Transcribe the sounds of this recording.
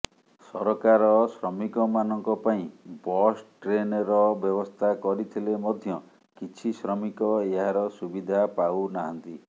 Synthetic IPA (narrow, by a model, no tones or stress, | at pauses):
sɔɾɔkaɾɔsɾɔmikɔmanɔŋkɔpaĩbɔsʈɾenɾɔbjɔbɔst̪ʰakɔɾit̪ʰilemɔd̪ʱjɔ | kit͡ʃʰisɾɔmikɔeɦaɾɔsubid̪ʱapawnaɦɔnt̪i